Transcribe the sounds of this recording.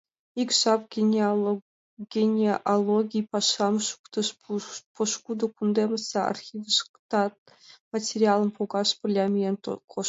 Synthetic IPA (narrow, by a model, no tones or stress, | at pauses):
ikʲʃɑpɡʲnʲ | ɡʲenʲeʔolˠoɡʲijpɑʃɑmʃu̥kt̪əʃpʰoʃkud̪əkund̪emʲəsɑa̰rxʲivʲiʃkt̪ɑt̪̚ | matʲerʲialˠə̆npʰoɡɑʃpə̆rlʲɑmʲijent̪kʰo